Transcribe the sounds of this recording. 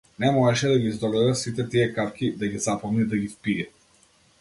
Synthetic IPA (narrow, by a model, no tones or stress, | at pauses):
nɛmɔʒɛʃɛd̪aɡʲizd̪ɔɡɔɾasit̪ɛt̪iɛkafkʲid̪aɡizapɔmnid̪aɡʲifpiɛ